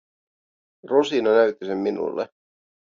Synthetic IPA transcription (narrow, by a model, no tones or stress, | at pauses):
rusinonæyt̪ːisemːinṵlːḛ